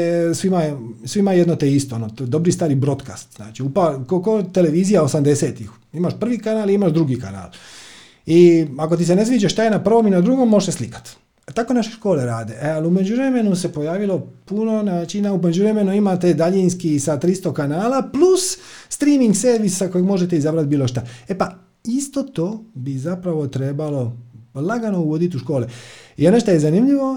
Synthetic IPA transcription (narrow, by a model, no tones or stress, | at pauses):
sʋimasʋimajed̪not̪eist̪oonot̪od̪o̞bɾist̪aːɾibɾo̞d̪ka̰st̪zna̰ːt͡ʃiupakokot̪ele̞ʋiːzijaosamd̪e̞seːt̪ix | imaʃpr̩ʋikanaːliimaʃd̪ɾuɡika̰na̰ːl | iako̞t̪̬isene̞sʋiːd͡ʒaʃt̪ajenapr̩ʋo̞minad̪ɾuɡo̞mːo̞ʒeʃseslikḁt̪ | t̪ako̞naʃeʃko̞ːleɾaːd̪eʔaliume̞d͡ʒuʋɾeme̞nuse̞po̞jaːʋilo̞puno̞naːt͡ʃinaume̞d͡ʑuʋɾe̞me̞nuimat̪e̞d̪aʎinskisat̪ɾist̪o̞kanaːlaplusːt̪ɾiːmiŋɡseɾʋissakojeɡmo̞ʒet̪eizabɾat̪̚biːlo̞ʃt̪aepa | ist̪o̞t̪oːbizapɾaʋo̞t̪ɾe̞ːbalo̞laɡano̞uʋo̞d̪it̪uʃko̞ːleioneʃt̪oje̞zanimʎiʋo̞